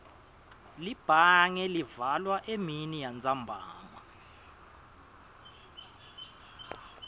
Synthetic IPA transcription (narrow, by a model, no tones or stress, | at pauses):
lib̥ʱaŋɛlivalwaʔeminijant͡sʼambʱa̰ːŋwa